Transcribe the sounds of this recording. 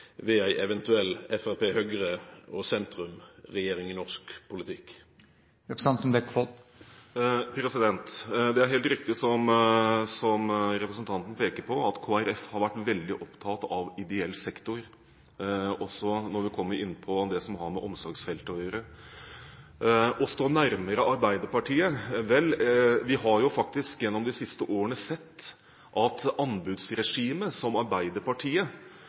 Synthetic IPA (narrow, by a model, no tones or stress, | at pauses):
ʋɛæɪʔɛʋɛnt̪ʉɛlːɛfæpeːhœɡɾəɔsɛnt̪ɾʉmʁɛjeːɾɪŋɪnɔʁskpʰʊlɪt̪ʰɪk | ɛksɑnt̪mɛkfɔ | pʰɾɛsɪd̪ɛnt̪d̪ɛæɾɦeːlt̪ɾɪkt̪ɪsɔmsɔmɾɛpɾəsənt̪ʰɑnt̪n̩pʰeːkəɾpʰɔɑt̪kʰoːæɾɛfhɑɾʋæʈːʋɛld̪ɪʔɔpt̪ʰɑt̪ɑʋɪd̪ɛɛlːsɛkt̪ʊɾ | ɔsɔnɔɾʋɪkʰɔmːəɾɪnːpʰɔd̪ɛsɔmɦɑɾmɛʔɔmsɔɾɡsfɛlt̪əɔjøːɾə | ʔɔst̪oːnæɾməɾəʔɑɾbæɪd̪əɾpɑʈʰiːəʋɛlːʋɪɦɑɾjʊfɑkt̪ɪskjɛnːɔmd̪ɪsɪst̪əʔoːɾənəsɛt̪ː | ʔɑt̪ɑnbʉd̪sɾɛʂiːməsɔmɑɾbæɪd̪əɾpɑʈʰiːə